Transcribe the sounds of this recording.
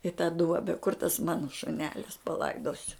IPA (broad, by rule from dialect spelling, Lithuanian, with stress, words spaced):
ɪ tɑː ˈduɔbʲɛ kʊr tɐs ˈmɑːnɐ ʃʊˈnʲæːlʲɪs pɐˈlˠɐɪdoːsʲʊ